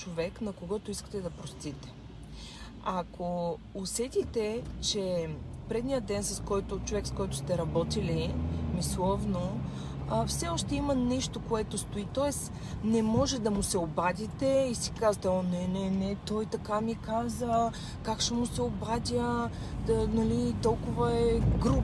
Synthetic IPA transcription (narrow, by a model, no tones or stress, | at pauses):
t͡ʃovɛknɐkoɡɔt̪ʊiskə̥t̪ɛd̪ɐpɾost̪it̪ɛ̥ | akʰoː | sɛt̪it̪ɛt͡ʃɛpɾɛd̪nijəd̪ɛnsɐskɔjt̪ot͡ʃovɛkskɔjt̪ʊ̥st̪ɛɾɐbɔt̪ilimislˠɔvno | fsɛɔʃt̪ɛimɐniʃt̪okoɛt̪ost̪oit̪ɔɛs | nɛmɔʒɛd̪ɐmʊsɛobad̪ʲit̪ɛisi̥kazət̪ɛɔnɛnɛnɛt̪ɔjt̪ɐkamikazə | kakʃɛmʊsɛobad̪ʲə | nɐlit̪ɔlˠkʊvəɛɡɾu